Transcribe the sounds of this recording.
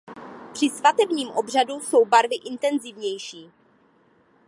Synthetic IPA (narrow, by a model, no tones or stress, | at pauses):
pr̥ɪsvat̪ɛbɲiːmʔo̞br̝aduso̞wbaɾvɪʔɪnt̪ɛnzɪvɲɛjʃiː